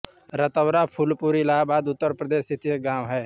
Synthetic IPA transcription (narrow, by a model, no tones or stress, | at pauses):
ɾət̪əwɾapʰʊlpuːɾilaːbaːd̪ʊt̪ːəɾpɾəd̪eːsɪt̪ijəɡaːmɦɛː